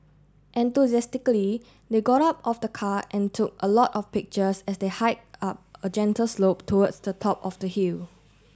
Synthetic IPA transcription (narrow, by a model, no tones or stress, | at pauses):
ʔɛ̃ntuzɛstɪkəli | deɡɔɾap̚ɔfdəkʰaʔɛ̃ntʰuk̚əlɔtɔfpɪk̚t͡ʃəsɛsdehaɪt̚ap̚əd͡ʒɛ̃ntəlslop̚tʰɔwədsdətʰɔpɔfdəhil